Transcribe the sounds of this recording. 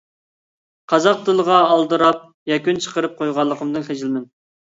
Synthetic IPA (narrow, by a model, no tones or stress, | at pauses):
qʰɑzɑq̚d̪ɨlˠəʁɑːlˠd̪ɨɾɑp̚ | jɑkʲynt͡ʃʰə̥qəɾɨp̚qʰojʁɑlˠːəqʰəmd̪ɨnχed͡ʒɪlmɪn